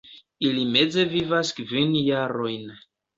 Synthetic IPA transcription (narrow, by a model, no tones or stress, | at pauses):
ilime̞d͡ze̞vivaskvinjaɾo̞jn